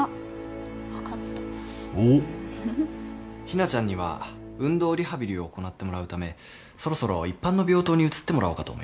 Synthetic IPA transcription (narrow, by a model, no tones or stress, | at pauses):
βakat̪ːḁ | o | çinat͡ɕãɲ̟ːiβ̞a̰ɯ̟̃nd̪o̞ːɾʲiɦabʲiɾʲio̞ːko̞nat̪ːe̞mo̞ɾaɯ̟t̪ame̞ | so̞ɾo̞so̞ɾo̞ipːãnːo̞bʲo̞ːt̪oːɲ̟iɯ̟t͡sɨ̥t̪ːe̞mo̞ɾʔaoːkat̪o̰ːmoi